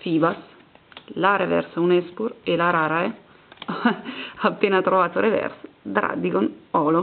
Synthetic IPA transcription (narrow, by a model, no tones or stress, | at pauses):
fiːbas | laɾevɛ̰ɾsunɛspuɾelaɾaɾae | apːenat̪ɾovaːt̪oɾevɛ̰ɾsd̪ɾa̰d̪iɡonɔlo